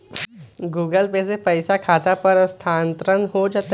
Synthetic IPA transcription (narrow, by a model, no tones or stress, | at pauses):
ɡuːɡəlpesepəjsakʰat̪apəɾəst̪ʰant̪ɾənɦod͡ʒat̪